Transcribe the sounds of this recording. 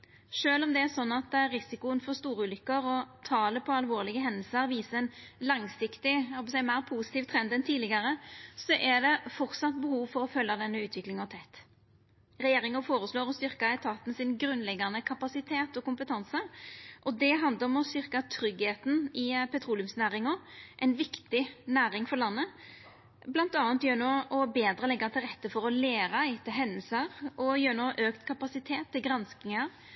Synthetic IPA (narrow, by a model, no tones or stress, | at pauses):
ʂøːlɔmd̪ɛæsɔnːɑt̪ɾɪsɪkʊənfɔɾst̪uːɾəʉːlʏkːəɾɔt̪ʰɑːləpʰɔɑlʋoːʁlɪɡəɦɛnəlsəɾʋiːsəɛnlɑŋsɪkt̪ɪhɔbəsɛɪmæɪʁpʰuːsɪt̪iːʋt̪ʰʁɛnd̪ɛnt̪ʰiːlɪɡɑɾəsɔʔɛd̪ɛfɔʁt̪sɑt̪ːbəhuːʋfɔɾɔfœlːɑd̪ɛnːəʉːt̪ʰʋɪklɪŋɑʋt̪ʰɛt̪ː | ɾɛjeːɾɪŋənfoːɾəsloːɾɔst̪ʏʁkɑɛt̪ʰɑːt̪n̩sɪnɡɾʉnːlɛɡːɑnəkʰɑpɑsɪt̪ʰeːt̪ɔkʊmpət̪ʰɑnsəʔɔd̪ɛɦɑnd̪əɾɔmɔst̪ʏɾkɑt̪ʰɾʏɡheːt̪n̩ɪpʰɛt̪ʰɾuːlʉmsnæːɾɪŋɔʔɛɪnʋɪkt̪ɪnæːɾɪŋfɔɾɭɑnːə | blɑnt̪ɑːnt̪jøːnoːɔbeːd̪ɾəlɛɡːɑt̪ʰɪlʁɛt̪ːəfɔɾɔleːɾɑɪt̪ʰɪlɦɛnːəlsəɾɔjøːɾnoːʔøːkt̪kʰɑpɑsɪt̪ʰeːt̪ʰːɪlɡɾɑnsknɪŋəɾ